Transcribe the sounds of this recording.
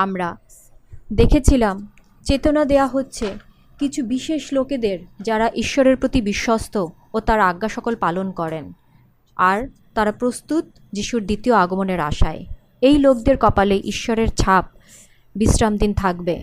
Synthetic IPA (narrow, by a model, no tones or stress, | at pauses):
amɾa | d̪ekʰet͡ɕʰilam | t͡ɕet̪onad̪eoaɦotːɕʰe | kit͡ɕʰubiʃeʃloked̪eɾd͡ʑaɾaʔiʃːoɾeɾpɾot̪ibiʃːost̪ʰo | ot̪aɾaɡːaʃɔkolpalonkɔɾen | aɾ | t̪aɾapɾost̪ut̪̚ | d͡ʑiʃuɾd̪it̪ioaɡomoneɾa̰ʃa̰e | ejlokd̪eɾkɔpaleʔiʃːoɾeɾt͡ɕʰap̚ | bisɾamd̪int̪ʰakbḛ